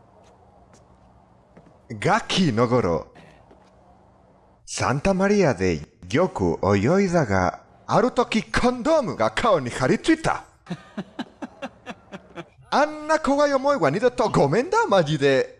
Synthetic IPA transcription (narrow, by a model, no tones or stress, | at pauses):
ɡakʲʰinoɡoɾo̰ | sã̰nt̪amaɾʲiad̪e̞̰jokɯ̰ʔojoizaɡa̰ | aɾɯ̟t̪o̞kʲikʰõnd̪o̞ːmɯ̟ɡakʰaoɲ̟ihaɾʲit͡sɨit̪a̰ | anːakoɡajomoiɡaɲid̪ɯt̪oɡo̞mẽ̞nd̪amad͡ʑid̪e̞